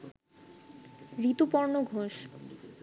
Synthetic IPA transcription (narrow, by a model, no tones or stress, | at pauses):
ɾit̪upɔɾnoɡʱoʃ